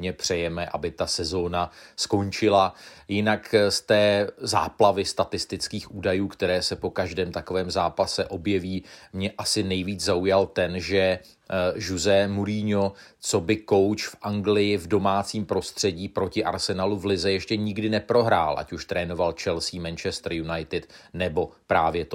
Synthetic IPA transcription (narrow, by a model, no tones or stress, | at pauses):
ɲɛpr̝̥ɛjɛmɛʔa̰bɪt̪asɛzo̞ːnasko̞nt͡ʃɪlajɪnakst̪ɛːza̰ːplavɪst̪at̪ɪst̪ɪt͡skiːxʔuːdajuːkt̪ɛɾɛːsɛpo̞kaʒdɛːmt̪akovɛːmzaːpasɛʔo̞bjɛviːmɲɛʔasɪnɛjviːd͡zzaujalt̪ɛnʒɛ | ʒuzɛmuɾiːɲot͡so̞bɪko̞wt͡ʃfʔaŋɡlɪjɪvdo̞maːt͡siːmpɾo̞st̪r̝̥ɛɟiːpɾo̞cɪʔaɾsɛnaluvlɪzɛjɛʃcɛɲɪɡdɪnɛpɾo̞ɦɾaːlʔa̰cuʃt̪ɾɛːno̞valt͡ʃɛlsiːmɛnt͡ʃɛst̪ɾ̩junajt̪ɪt̪nɛbo̞pɾaːvjɛt̪o